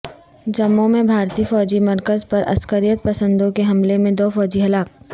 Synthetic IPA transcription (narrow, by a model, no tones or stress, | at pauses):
d͡ʒɐmːõmẽbʱaːɾt̪iːfɔːd͡ʒimɐɾkəzpɐɾʔɐ̰skəɾijət̪̚pɐsə̃nd̪õkeɦɐmlemẽd̪oːfɔːd͡ʒiɦɐlaːk̚